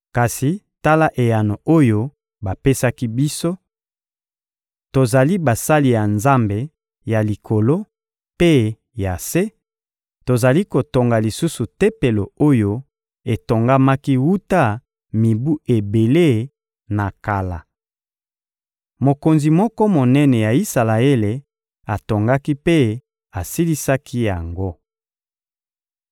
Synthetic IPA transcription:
ka˨si˨ | ta˦la˦ʔe˨ja˨no˨ʔo˦jo˦ | ba˨pe˦sa˦ki˦bi˦so˦ | to˨za˨li˦ba˨sa˦li˨ja˨nza˦mbe˨ | ja˨li˨kʰo˨lo˦ | pe˦ | ja˨se˦ | to˨za˨li˦ko˨to˨ŋɡa˨li˨su˦su˨te˦pe˨lo˨o˦jo˦ | e˨to˨ŋɡa˦ma˦ki˦wu˦ta˦ | mi˨bu˦e˨be˨le˦ | na˨ka˨la̰˨ | mo˨ko˨nzi˨mɔ˦kɔ˦mo˨nɛ˦nɛ˨ja˨i˦sa˨la˨e˦le˨ | a˨to˨ŋɡa˦ki˦pe˦ | a˨si˦li˦sa˦kʰi˦ja˨ŋɡo˦

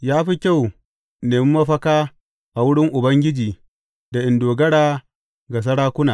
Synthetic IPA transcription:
jaː˦ɸi˦kʲa˦˨w | neː˨mɪ˦mɐ˦ɸɐ˦kaː˦ | ʔa˨wʊ˦ɽɪ˦ŋʔʊ˨bɐ˦ŋɡʲɪ˦d͡ʒiː˨ | da˨ʔɪ˨ndoː˨ɡɐ˦ɽaː˦ | ɡa˨s̬ɐ˦ɽaː˦kʷʊ˦naː˨

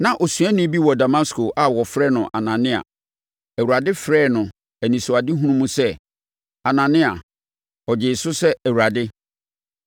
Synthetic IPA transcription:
nã˨ʔo˨sũ˨˦æ̃˦nʊ̃˦bi˦wɔ˨da˨ma˦skʰo˨ʔa˨wɔ˨fɾɛ˦˨nʊ̃˨ʔa˨nã˨nɪ̃˦a̰˨ | æ˨wu˨ɾa˨dɪ˦fɾɛː˦˨nʊ̃˨ | æ˨nĩ˨sʊ˨a˨dɪ˦ɦũ˦ũ˦mũ˦sɛ˦ | a˨nã˨nɪ̃˦a̰˨ | ɔ˨d͡ʑɪ˨sʊ˦sɛ˦æ˨wu˨ɾa˨dɪ˦

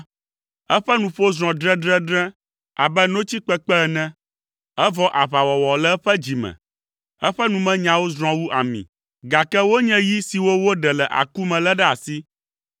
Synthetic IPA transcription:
ɛ˦ɸɛ˦nũ˨ɸo˦zɾ̃ɔ̃˨dɾɛ̃˦ɖɾɛ̃˦ɖɾɛ̃˦ | a˨bɛ˦nõ˦t͡ɕi˦k͡pɛ˦k͡pɛ˦ɛ˨nɛ̃˦ | ɛ˦vɔ˦ʔa˨βa˨wɔ˨wɔ˨lɛ˦ɸɛ˦d͡ʑi˨mɛ̰̃˨ | ɛ˦ɸɛ˦nũ˨mɛ̃˦ɲã˨wo˦zɾ̃ɔ̃˨wu˦ʔa˨mḭ̃˨ | ɡa˨kɛ˦wo˦ɲɛ̃˦ji˦si˨wo˦wo˦ɖɛ˨lɛ˨ʔa̰˨ku˦mɛ̃˨lɛ˦ɖɛ˦a˨si˦

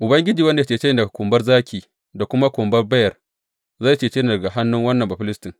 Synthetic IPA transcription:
ʔʊ˨bɐ˦ŋɡʲɪ˦d͡ʒiː˨wɐ˦nde˨t͡ʃeː˨t͡ʃe˦jɪ˦ndɐ˨ɡa˨kʷʊ˨mbɐ˦rzaː˦kʰʲiː˨ | da˨kʷʊ˦ma˦kʷʊ˨mbɐ˦rbɐ˦jɐ˨r | zaː˦˨t͡ʃeː˨t͡ʃeː˦n˨dɐ˨ɡa˨ha˦nːʊ˦ŋwɐ˦nːɐ˨mbɐ˨ɸɪ˦lɪ˦stɪ˨ŋ

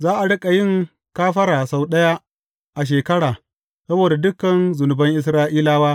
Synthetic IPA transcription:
zaː˦ʔa˨ɽɐ˦kʼa˨jɪ˦˨ŋ | kaː˦ɸɐ˦ɾaː˨sa˨wɗɐ˦ja˦ | ʔa˨ʃ̬eː˨kɐ˦ɽaː˨ | sɐ˦boː˨da˨dʊ˦kɐ˨nzʊ˨nʊ˨bɐ˦ŋʔɪ˦s̬ɾaː˦ʔiː˦laː˦waː˦

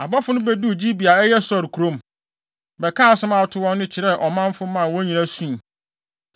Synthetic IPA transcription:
a˨bɔ˦fʊ˦nʊ̃˦bɛ˦du˦˨d͡ʑi˦bi˨a˨ɛ˦jɛ˦sɔ˨ɾkʰu˨ɾõ˦m | bɛ˨kʰã˦a˨sʊ̃˦mã˨tʰʊ˦wɔ̃˦nːʊ̃˦t͡ɕʰɪ˨ɾɛ˦˨ʔɔ˨mã˦m˦fʊ˦mã˨wɔ˦ɲĩ˨ɾã˦sũ˦˨

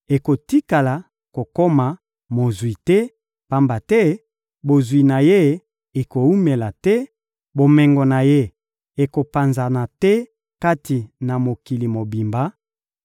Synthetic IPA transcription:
e˨ko˨ti˦ka˨la˨ | ko˨ko˦ma˨ | mo˨zwi˨tɛ˦ | pa˦mba˨tɛ˦ | bo˨zwi˨na˨je˦ | e˨ko˨u˦me˨la˨tɛ˦ | bo˨mɛ˨ŋɡo˨na˨je˦ | e˨ko˨pa˨nza˨na˨tɛ˦ | ka˦tʰi˨na˨mo˨ki˨li˨mo˨bi˨mba˦

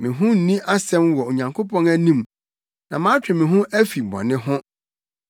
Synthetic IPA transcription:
mɪ̃˨ɦʊ̃˦n̩˨nĩ˦ʔa˦sɛ̃˦mwɔ˨o˨ɲã˨ŋkʰo˦pʰɔ̃˦næ˦nĩ˦m | nã˨mã˦t͡ɕᶣɪ˨mɪ̃˨ɦʊ̃˦ʔæ˦fi˨bɔ̰˨nɪ̃˦ɦʊ̃˦

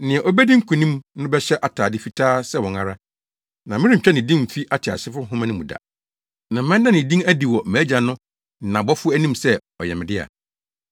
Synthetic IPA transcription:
nɪ̃˨ɛ˨ʔɔ˦bæ˦dĩ˦ŋ̩˦kʰũ˨nĩ˦mnʊ̃˦bɛ˦ɕɛ˦ʔa˨tʰaː˨dɪ˦fi˨˦tʰaː˦sɛ˦wɔ̃˨ŋa˨ɾa˦ | nã˨mɪ̃˦ɾĩ˦m̩˨t͡ɕᶣɛ˦nɪ̃˨dĩ˦m̩˨fi˦ʔa˦tʰɪ˨a̰˨sɪ˦fɾʊ˦ɦʊ̃˦mã˦nɪ̃˦mṵ̃˨da̰˨ | nã˨m̩˦mɛ̃˦n˦dã˦nɪ̃˨dĩ˦næ˦di˨wɔ˨mæː˨˦d͡ʑa˨nʊ̃˦˨ | nã˨bɔ˦fʊ˦æ˦nĩ˦msɛ˦ | ɔ˨jɛ˨mɪ̃˨dɪ˦a̰˨

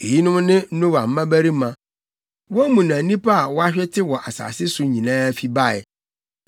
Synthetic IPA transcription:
e˨ji˦nʊ̃˦mnɪ̃˦n̩˦nõ˦wa˨m̩˦mã˦bæ˦ɾi˦mã˨ | wɔ˦mũ˨nã˨˦nĩ˦pʰa˦a˨wɔ˦a˦ɕᶣɛ˦tʰɪ˦wɔ˨ʔa˨sa̰ː˨sɪ˦sʊ˦ɲĩ˨nãː˦fi˦ba˦ɛ̰˨

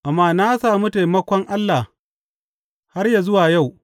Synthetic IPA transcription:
ʔa˨mːaː˦na˦saː˨mu˦ta˨jmɐ˦kʷɔ˦ŋʔa˦lːa˨ | ha˦rja˨zʊ˦waː˨ja˦˨w

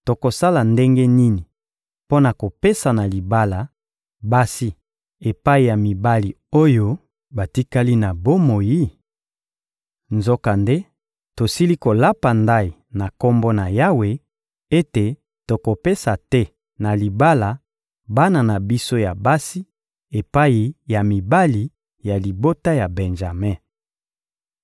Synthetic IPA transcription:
to˨ko˨sa˦la˨nde˦ŋɡe˦ni˦ni˨ | po˦na˨ko˨pe˦sa˨na˨li˨ba˦la˨ | ba˦si˦ | e˨pa˦i˨ja˨mi˨ba˦li˨ | o˦jo˦ | ba˨ti˦ka˦li˦na˨bo˦mo˨ji˦ | nzo˦ka˨nde˦ | to˨si˦li˦ko˨la˦pa˨nda˦i˨na˨ko˦mbo˦na˨ja˦we˨ | e˦te˨ | to˨ko˨pe˦sa˨tɛ˦ | na˨li˨ba˦la˨ | ba˦na˨na˨bi˦so˦ja˨ba˦si˦ | e˨pa˦ji˨ja˨mi˨ba˦li˨ | ja˨li˨bo˦ta˦ja˨bɛ˨nʒa˨mɛ˦

